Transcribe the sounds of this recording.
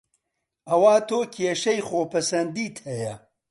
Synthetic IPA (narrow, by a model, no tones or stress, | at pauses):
ɐwaːt̪ʰoːkʰieʃɐjxoːpʰɐsɐnd̪iːt̪ʰɐjɐ